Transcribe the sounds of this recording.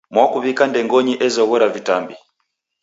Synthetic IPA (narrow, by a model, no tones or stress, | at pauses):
mwakuβikandɛŋɡɔɲiʔɛzɔɣɔɾavitambi